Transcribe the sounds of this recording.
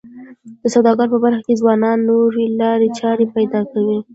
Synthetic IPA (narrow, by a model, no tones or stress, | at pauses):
d̪̥əsawd̪ɑɡɑɾpəbaɾxakezwɑnɑnːoɾelɑɾet͡ʃɑɾepajd̪ɑkawi